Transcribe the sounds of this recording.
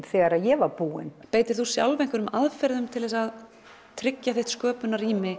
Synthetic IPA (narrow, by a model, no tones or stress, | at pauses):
θɛːɣaɾaðjɛvaɾpuːɪnpeːjt̪ɪɾ̥θusja̰wlvejŋ̥kʏɾʏmaðfɛɾðʏmt̪ʰɪlðɛsað | t̪ʰɾɪcjaθeht̪skœːpʏnaɾimɪ